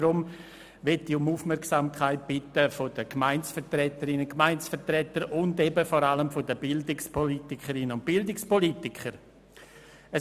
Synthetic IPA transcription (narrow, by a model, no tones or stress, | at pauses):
ɾʊm | ʋɛtːiʊmuːfmɛɾksamkʰχaɪt̚b̥ɪtəfod̥əkmaɪnsfətrɛtəɾɪnəkmaɪnsfətrɛtəɾʊndɛbəfɔɾaləmfodəbɪldɪkspʰolitɪkʰəɾɪnənʊnt̚b̥ɪldɪkspolitɪkχəɾ | ə